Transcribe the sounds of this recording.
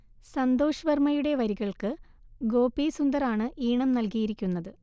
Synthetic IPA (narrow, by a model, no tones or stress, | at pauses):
sɐnd̪o̞ːʂɐʋɐrmɐjuɽe̞ʋɐɾiɣɐɭkɨ | ɡo̞ːpːisund̪ɐɾaːɳɨʔiːɳɐmnɐlkijiɾikʲːunːɐðɨ